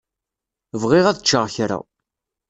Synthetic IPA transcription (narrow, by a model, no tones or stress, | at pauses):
vʁɪʁæðət͡ʃːəʁçɾa̰